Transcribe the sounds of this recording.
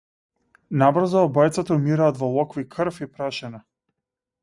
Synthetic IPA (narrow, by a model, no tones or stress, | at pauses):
nabr̩zaːbɔjt̪sat̪aumiɾaːt̪vɔlˠɔkvikʰərfipɾaʃɛna